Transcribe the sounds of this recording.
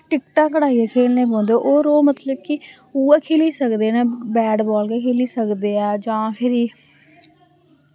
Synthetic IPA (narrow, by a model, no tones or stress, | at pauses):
ʈɪkʈaːkːəɽaːiːakʰeːlneːbõːnd̪eːʔoːɾoːmət̪ləbkɪ | uːaːkʰeːliːsəkd̪eːnaːbɛːɖbɔːlkeːkʰeːliːsəkd̪eːaːd͡ʒãːpʰɪɾiː